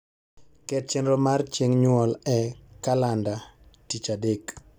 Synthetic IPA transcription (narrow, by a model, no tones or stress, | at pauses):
kɛt̚t͡ʃɛnɾɔmart͡ʃeŋɲwɔlɛkalanda | tit͡ʃadek